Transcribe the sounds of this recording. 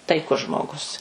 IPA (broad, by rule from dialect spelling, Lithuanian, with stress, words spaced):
tɐɪˈkʊs ˈʒmoːˌɡʊs